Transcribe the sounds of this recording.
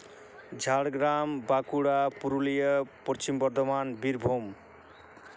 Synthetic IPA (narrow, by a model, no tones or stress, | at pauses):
d͡zʱaɽɡɾambakuɽapuɾulijʌpʌt͡ʃimbʌrd̪ʌmanbiɾbʱom